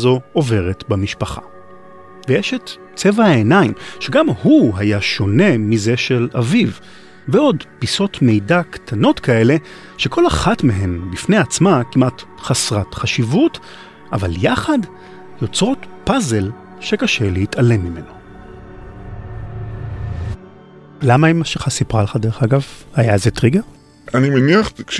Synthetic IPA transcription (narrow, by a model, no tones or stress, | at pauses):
zo̞ove̞ʁetbamiʃpaχa̰ | vejɛʃet | t͡se̞vaaenaimʃeɡamhuɦajaʃo̞ne̞mize̞ʃelaviv | veo̞dpiso̞tme̞jdaktʰano̞tkʰae̞le̞ | ʃekʰo̞laχatmeɦe̞mbifneat͡smakimʔatχasʁatχaʃivut | ʔa̰va̰ljaχad | jo̞t͡sʁo̞tpaze̞l | ʃe̞kaʃe̞leitale̞mːime̞̰no | lamaimaʃeχasipʁalχade̞eχaɡavhajazetʁiɡeʁ | animeniaχ